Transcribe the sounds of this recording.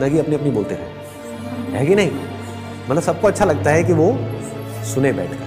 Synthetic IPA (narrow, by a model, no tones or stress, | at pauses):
nɐɡiɐpniɐpniboːlt̪eɾɛ | ɦɛːɡinɐɦĩ | mɐt̪ləbsɐb̚koɐtːʃʰalɐɡ̚t̪aɦɛkiʋo | sʊnebɛ̰ːʈʰɡ̥aː